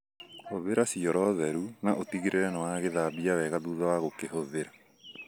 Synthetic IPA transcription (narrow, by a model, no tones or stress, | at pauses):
hoðeɾasiɔɾɔðɛɾunaʔotiɣeɾʔeɾɛnawaɣeðaːbiawɛɣaðuːðawaɣokeɦoðeɾa